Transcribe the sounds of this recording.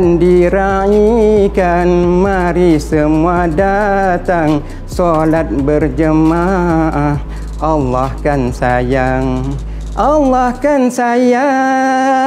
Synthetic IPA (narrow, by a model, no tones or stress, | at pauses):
ndiɾaikanmaɾisəmuadat̪aŋ | solat̪̚bərd͡ʒəmaʔa | ʔɑlːahkansajaŋ | ʔɑlːahkansaja